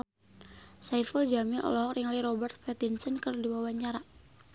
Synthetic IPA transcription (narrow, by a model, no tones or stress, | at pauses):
saifəld͡ʒamɪlʔɔ̰lɔɦɔk̚riŋliɾɔbɛrt̪̚pɛt̪insənkərdiwawaɲt͡ʃaɾa